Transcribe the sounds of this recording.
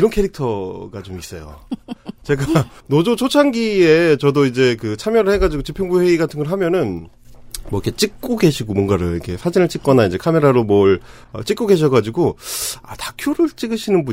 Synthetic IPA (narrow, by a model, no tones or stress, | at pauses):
iɾʌnkʰe̞ɾik̚tʰʌɡat͡ɕomis͈ʌjo̰t͡ɕe̞ɡanod͡ʑot͡ɕʰot͡ɕʰaŋɡie̞t͡ɕʌdoid͡ʑe̞kɯt͡ɕʰamjʌɾɯɭheɡad͡ʑiɡot͡ɕipʰjʌŋbuɸwe̞iɡatʰɯnɡʌɭɦamjʌnɯn | mwʌikʰe̞t͡ɕ͈ik̚k͈oɡe̞ɕʰiɡomwʌnɡaɾoikʰe̞sʰad͡ʑinɯɭt͡ɕ͈ik͈ʌnaid͡ʑe̞kʰame̞ɾaɾomʌɭʌt͡ɕ͈ik͈oɡe̞ɕ̬ʰʌɡad͡ʑiɡoa̰takʰjoɾɯɭt͡ɕ͈iɡɯɕʰinɯnbu